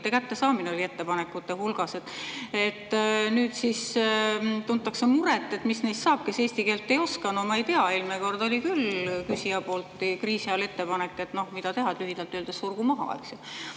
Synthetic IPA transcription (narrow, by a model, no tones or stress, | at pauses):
t̪ːekæt̪ːe̞sɑːmineolʲie̞t̪ːe̞pɑnekːˑut̪ːehulɡ̥ɑse̞t̪ːˑe̞t̪ːnyːd̪sis | t̪unt̪ːˑɑksemuɾet̪ːˑe̞t̪misnejst̪sɑːb̥̚kese̞ːsʲt̪ike̞ːlt̪ːe̞jo̞skɑnumɑejt̪eɑelmeko̞rd̪o̞lʲikylkysiɑpo̞ːlt̪ˑːkriːsiɑle̞t̪ːe̞pɑnekːˑe̞t̪no̞hmid̪ɑt̪e̞ɦɑd̪lyɦid̪̥ɑlt̪ːˑøld̪esːurɡ̥umɑɦɑ̰ḛksju